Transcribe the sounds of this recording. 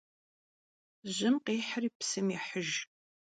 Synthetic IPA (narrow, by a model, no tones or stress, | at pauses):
ʑɪmqeːħəriːpsɨmiħəʒ